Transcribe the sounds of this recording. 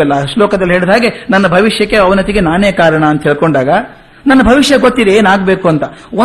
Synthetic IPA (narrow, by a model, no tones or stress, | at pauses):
ɛlːɐʂlɔːkɐd̪ɐliɦeːɭid̪ɦaːɡenɐnːɐbʱɐʋiʂjɐkːe̞ɐʋɐnɐt̪iɡenaːneːkaːɾɐɳɐɐnt̪ɐɦɛɭkoɳɖaːɡɐ | nɐnːɐbʱɐʋiʂjɐɡot̪ːiːɾɐeːnaːɡbe̞ːkuɐnt̪ɐo